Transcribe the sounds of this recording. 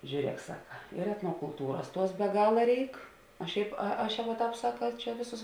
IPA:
ʒʲuːˈrʲiɛk ˈsɑːkɐ ɪr ɛtnoːkʊlˠˈtuːrɐs ˈtuɔs bʲɛ ˈɡɑːlˠɐ ˈrʲɛɪk oː ˈʃʲɛɪp ɐ ˈɐʃ ˈjɛʊ ʋɐ ˈtɑːp ˈsɑːkɐ ˈt͡ʃʲɛ ˈʋʲeːˌsʊs

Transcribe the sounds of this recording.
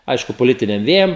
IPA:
ˈɐɪʃkʊ poːˈlʲɪtʲɪnʲɛm ˈʋʲeːjɛm

